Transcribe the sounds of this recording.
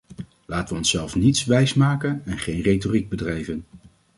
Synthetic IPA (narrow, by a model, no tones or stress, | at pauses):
laːtəʋəɔnsɛlˠfnitsʋɛjsmaːkənɛnχejnrejtoriɡ̚bədrɛjvən